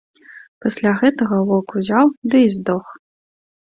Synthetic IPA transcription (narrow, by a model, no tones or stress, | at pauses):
pɐsʲlʲaɣɛt̪ɐɣɐvɔkuzʲawd̪ɨizd̪ɔx